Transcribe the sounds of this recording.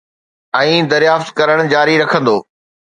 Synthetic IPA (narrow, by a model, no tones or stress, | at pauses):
ɛ̃ːd̪ɐɾjaːft̪kɐɾəɽ̃d͡ʑaːɾiɾɐkʰə̃nd̪oː